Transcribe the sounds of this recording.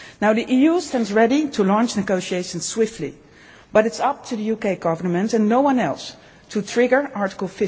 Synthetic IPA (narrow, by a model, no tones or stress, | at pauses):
naʊðiʔijustɛ̃ndzɹɛɾitʰəlɑ̃nt͡ʃnɨɡoʊʃieɪʃə̃nsswɪftˡlḭ | b̥ʌɾɨtsʌp̚tʰuðɨjukeɪɡʌvə˞mə̃ntɨ̃nːoʊwʌ̃nɛlˠs | tʰutʰɹ̥ɪɡə˞ʔɑɹɾə̥kl̩ˠfɪ